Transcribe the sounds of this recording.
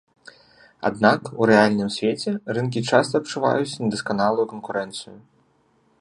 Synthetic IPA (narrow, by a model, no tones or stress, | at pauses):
a̰d̪nakuɾɛalʲnɨmsʲvʲet͡sʲɛrɨnkʲit͡ʂast̪ɐːpt͡ʂuva̰jut͡sʲnʲɐd̪ɐskanalˠujukɐnkuɾɛnt̪sɨju